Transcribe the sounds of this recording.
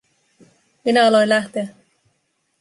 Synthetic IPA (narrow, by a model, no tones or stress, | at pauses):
minæɑlo̞jnlæht̪e̞æ